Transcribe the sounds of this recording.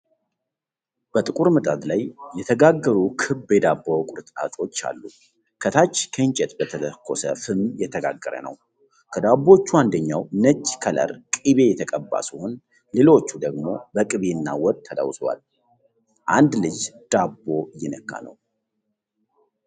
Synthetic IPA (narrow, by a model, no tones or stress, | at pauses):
b̥ət̪ʼɨkʼuɾmɨt̪ʼat̪lajːɛt̪ʰəɡaɡːəɾukʰɨbjɛd̪abːəwkʼʊɾɨt̪ʼa̰t̪ʼo̞t͡ʃːa̰lːu | kʰət̪ʰat͡ʃːkʰəɨɲt͡ʃʼɛt̪bət̪ʰələkːo̞sə̰fɨmjɛt̪ʰəɡa̰ɡːəɾə̰nə̰w | kʰəd̪abːo̞t͡ʃːuand̪əɲːawnət͡ʃʼːkʰələ̰ɾkʼiβe̞jɛt̪ʰəkʼəbːa̰suhun | lelo̞t͡ʃːud̪əɡmo̞bəkʼɨβeɨnːa̰wɔd̪̚t̪ʰːəd̪a̰wswa̰l | ʔand̪lɨd͡ʒd̪̥abːo̞jːɪnəkʰːa̰nə̰w